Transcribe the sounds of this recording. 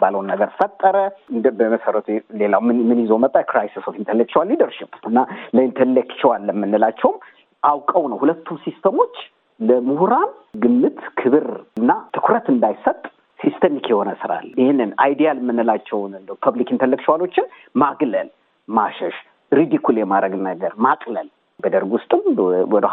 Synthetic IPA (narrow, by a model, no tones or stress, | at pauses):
baləwnːəɡəɾfət̪ʼːəɾəɨnbəməsəɾət̪ʰulelawmmɨnjɪzomət̪ʼːakɾajsisofint̪ʰəlekt͡ʃiwalːid̪əɾʃipːɨnːaləint̪ʰəlːek̚t͡ʃːɛwalːəmːɨnːɨlat͡ʃːɛwm | ʔawkʼəwnəwhulət̪ʰːumsist̪ʰəmo̞t͡ʃː | ləmuhuɾan | ɡɨmːɨt̪kʰɨβɨɾɨnːat̪ʰɨkʰʷɾət̪ɨnd̪ajsət̪ʼ | sist̪ʰəmikjɛho̞nəsɨɾa̰lhnːɨna̰jd̪ijaləmːɨnːɨlat͡ʃːɛwnɨnpʰəβlikint̪ʰəlːəkt͡ʃwalo̞t͡ʃːɪn | maɡləl | maʃɛʃ | ɾid̪ikʰuljɛmaɾəɡnəɡəɾmakʼləl | bəd̪əɾɡwʊst̪ʼɨmwɔd̪